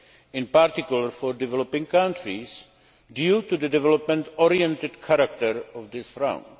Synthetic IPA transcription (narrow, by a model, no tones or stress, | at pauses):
ɪ̃npaɾt̪ɪkjuləɾfɔɾdɪvɛlɔpɪ̃ŋkãntɾis | djutud̪ədɛvɛlɔpmɛ̃nt̪ɔɾiɛ̃nt̪ɪdkʰaɾak̚t̪əɾɔvd̪ɪsθɾã̰ʊ̃nd